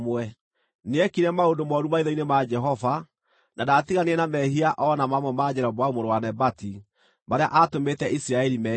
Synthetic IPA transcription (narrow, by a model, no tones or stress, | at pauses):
mwɛ | neɛkiɾɛmaondomɔɾumaiðɔinemad͡ʒɛɦɔva | nadatiɣaneɛnamɛɦiaʔɔnamamwɛmad͡ʒɛɾɔbwaumoɾowanɛbati | maɾeaʔatometɛʔisiɾaɛɾimɛ